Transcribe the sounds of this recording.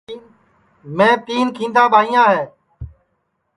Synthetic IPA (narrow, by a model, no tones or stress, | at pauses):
mẽːt̪iːnkʰĩːnd̪aːɓaːɦĩːjãːɦeː